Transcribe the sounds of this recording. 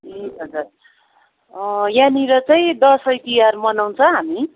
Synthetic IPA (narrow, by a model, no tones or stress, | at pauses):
iʌd͡zur | janiɾʌt͡saĩd̪ʌsʌjt̪ijarmʌnaw̃nt͡sʰʌ̃ɦami